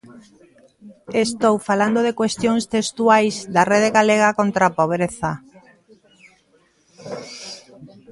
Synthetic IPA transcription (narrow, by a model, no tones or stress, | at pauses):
est̪owfaland̪oðekwest̪joŋst̪est̪uajzd̪areðeɣaleɣ̞akont̪ɾapoβ̞ɾeθa